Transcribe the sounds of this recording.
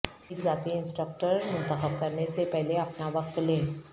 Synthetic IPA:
ɪkzaːt̪iɪ̃nsʈɾək̚ʈəɾmʊ̃nt̪əxəb̚kɐɾnesepɛɦleɐpnaʋɐq̚t̪lẽː

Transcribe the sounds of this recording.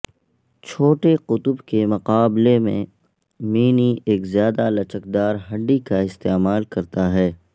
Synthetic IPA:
t͡ʃʰoːʈeqʊt̪ʊbkemʊqaːblemḛ̃ | miːnieːkzjaːd̪alɐt͡ʃəkd̪aːɾɦɐɖikaɪst̪eːmaːlkɐɾt̪aɦɛː

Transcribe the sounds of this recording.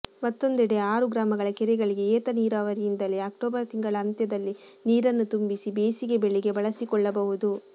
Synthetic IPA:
mɐt̪ːo̞nd̪ɛɽeaːɾuɡɾaːmɐɡɐɭɐkɛɾɛɡɐɭiɡe̞eːt̪ɐniːɾaːʋɐɾijind̪ɐleaːk̚ʈoːbɐɾɐt̪iŋɡɐɭɐːnt̪jɐd̪ɐlːi | niːɾɐnːut̪umbisibeːsiɡe̞beɭiɡe̞bɐɭɐsikɔɭːɐbɐʋud̪u

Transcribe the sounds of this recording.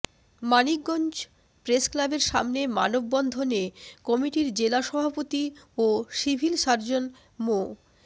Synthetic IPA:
manik̚ɡɔnd͡ʑ | pɾesklabeɾʃamnema̰nobːɔnd̪ʱonekɔmiʈiɾd͡ʑelaʃɔbʱapot̪ioʃibʱilʃaɾd͡ʑon | mo

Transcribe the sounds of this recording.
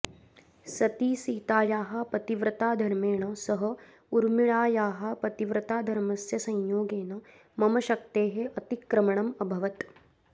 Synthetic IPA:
sɐt̪iːsiːt̪aːjaːɦɐ̆pɐt̪iʋɾɐt̪aːd̪ʱɐɾmeːɳɐsɐɦɐ̆ | uɾmiɭaːjaːɦɐ̆pɐt̪iʋɾɐt̪aːd̪ʱɐɾmɐsjɐsɐ̃ɲjoːɡeːnɐ | mɐmɐʃɐk̚t̪eːɦeʔɐt̪ikɾɐmɐɳɐmɐbʱɐʋɐt̪

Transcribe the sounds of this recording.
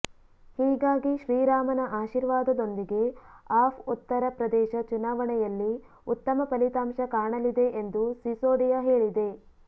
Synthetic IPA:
hiːɡaːɡiʃɾiːɾaːmɐnɐʔaːʃiɾʋaːd̪ɐd̪o̞nd̪iɡe̞aːpʰut̪ːɐɾɐpɾɐd̪ɛːʃɐt͡ʃunaːʋɐɳɛjɐlːi | ut̪ːɐmɐpɐlit̪aːmʃɐkaːɳɐlid̪e̞ʔend̪usisoːɖijɐɦe̞ːɭid̪e̞

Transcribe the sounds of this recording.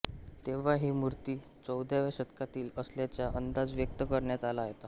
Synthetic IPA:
t̪eʋ̤aɦiːmuɾt̪iː | t͡səwd̪ʱjaʋjaɕət̪kat̪iːləsljat͡ɕjaʔənd̪ad͡zʋjək̚t̪əkəɾɳjat̪alaɦjet̪a

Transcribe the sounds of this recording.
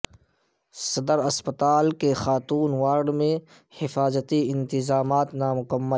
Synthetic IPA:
sɐd̪əɾɐspət̪aːlkexaːt̪uːnwaːɾɖmẽ | hɪfaːzət̪iɪ̃nt̪ɪzaːmaːt̪namʊkəmːə

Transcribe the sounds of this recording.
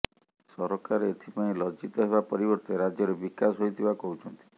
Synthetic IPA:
sɔɾɔkaɾeet̪ʰipaĩlɔd͡ʒit̪ɔɦeβapɔɾibɔɾt̪eɾad͡ʒjɔɾebikasɦojt̪ʰibakɔɦut͡ʃʰɔnt̪i̥

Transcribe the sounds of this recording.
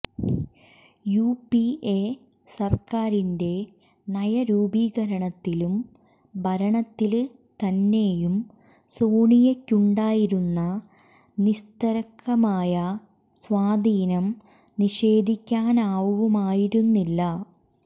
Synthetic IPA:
juːpie | sɐrkaːɾinde̞ | nɐjɐɾuːbiːɣɐɾɐɳɐt̪ːilum | bʱɐɾɐɳɐt̪ːil | t̪ɐnːe̞ːjum | soːɳijɐkʲːuɳɖaːjiɾunːɐ | nist̪ɐɾɐkːɐmaːjɐ | sʋaːd̪ʱiːnɐm | niʂe̞ːd̪ʱikʲːaːnaːʋuʋumaːjiɾunːilːɐ

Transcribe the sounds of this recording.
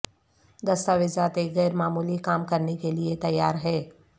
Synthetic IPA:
d̪ɐst̪aʋɪzaːt̪eɣɛːɾmaːmuːlikaːmkɐɾnekeliet̪ɐjːaːɾɦɛː

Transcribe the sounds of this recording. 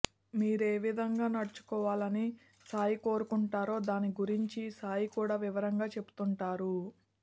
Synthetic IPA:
miːɾeːʋid̪ʱɐŋɡaːnɐɽɐt͡ʃu̥kɔːʋaːlɐni | saːjiko̞ːɾukuɳʈaːɾo̞ːd̪aːniɡuɾiɲt͡ʃisaːjikuːɽaːʋiʋɐɾɐŋɡaːt͡ʃe̞bu̥t̪uɳʈaːɾu

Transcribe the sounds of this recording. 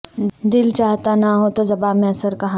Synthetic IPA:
d̪ɪlt͡ʃaːɦt̪anɐɦot̪ozɐbaːmẽɐsəɾkɐɦã

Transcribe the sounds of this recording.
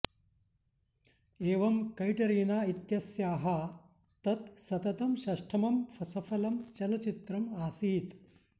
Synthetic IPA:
eːʋɐmkɐjʈɐɾiːnaːit̪jɐsjaːɦɐ | t̪ɐt̪sɐt̪ɐt̪ɐmɕɐʂʈʰɐmɐmfʰɐsɐfɐlɐmt͡ʃɐlɐt͡ʃit̪ɾɐmaːsiːt̪

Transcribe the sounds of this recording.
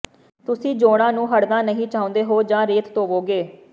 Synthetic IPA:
t̪ʊsĩːd͡ʒoːɽ̃ãːnũːɦəɽnaːnəɦĩːt͡ʃaːʊ̃ːnd̪eːɦoːd͡ʒãːɾeːt̪t̪oːʋoːɡeː

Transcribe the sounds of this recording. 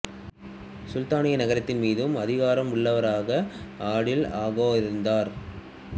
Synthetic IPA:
sʊlt̪aːɳɪjɐnɐɣɐɾɐt̪ːɪnmiːðɯmɐðɪɣaːɾɐmʊɭːɐʋɐɾaːɣɐaːɽɪlaːɣoːɪɾɯnd̪aːɾ

